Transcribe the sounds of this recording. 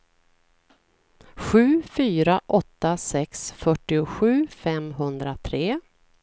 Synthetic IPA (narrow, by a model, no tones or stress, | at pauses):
ɧʉ̟ːfyːɾaʔɔt̪ːasɛksfœʈːɪʊɧʉ̟ːfɛmɦɵnd̪ɾat̪ʰɾeː